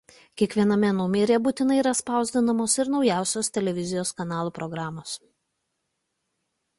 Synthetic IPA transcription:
kʲiɛkʋʲiɛnɐmʲɛnʊmʲeːɾʲeːbuːt̪ʲɪnɐɪiɾɐspɑˑʊzʲd̪ʲɪnɐmoːsɪɾnɒʊjæˑʊsʲoːst̪ʲɛlʲɛʋʲɪzʲɪjoːskɐnɑːlˠuːpɾɔɡɾɑːmoːs

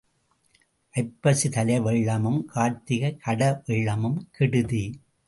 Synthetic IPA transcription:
ʔɐɪpːɐsɯt̪ɐlɐʋɪɭːɐmɯmkʰaːɾt̪ːɪɣɐkʰɐɽɐʋɪɭːɐmɯmkʰɪɽɯði

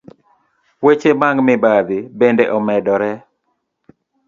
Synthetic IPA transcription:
wet͡ʃemaŋɡmɪbaðɪbendeʔɔmɛdɔɾɛ

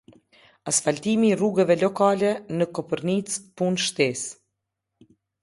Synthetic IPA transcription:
asfalt̪imiːruɡɛvɛlɔkalɛnəkɔpəɾnit͡spunʃt̪ɛs

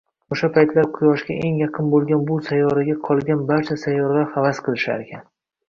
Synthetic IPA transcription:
oʃapʰajt̪ʰlaɾqʰʊjɒʃɡʲaʔe̞ŋjɑqʰɨnbolˠɡʲanbʊsajːɒɾaɡʲaqʰɒlˠɡʲanbaɾt͡ʃʰasajːɒɾlaɾhavasqʰɨlˠɪʃa̰ɾekʲʰan

